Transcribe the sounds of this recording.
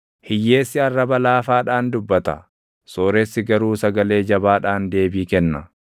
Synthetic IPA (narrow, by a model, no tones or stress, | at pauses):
hɪjːe̞ːsːɪɐrːɐbɐlaːfaːᶑaːnd̪ʊbːɐt̪ɐ̰ | so̞ːɾɛsːɪɡɐɾuːsɐɡɐle̞ːd͡ʒɐbaːᶑaːnd̪e̞ːbiːkɛnːɐ